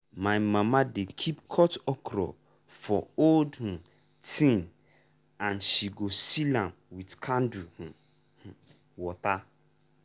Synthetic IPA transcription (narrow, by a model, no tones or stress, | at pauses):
mãɪmãmãdekʰipkʰɔtɔkʰɾɔ̰ | fɔoldhũ | tʰĩn | ãnʃiɡosilãm | witkʰãnduhũ | hũ | wɔta